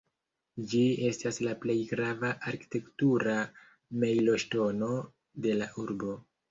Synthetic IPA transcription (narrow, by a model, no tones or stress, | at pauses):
d͡ʒie̞staslaple̞jɡɾavaʔaɾki̥te̞ktuɾa | mejlo̞ʃto̞no̞ | de̞laʔuɾbo̞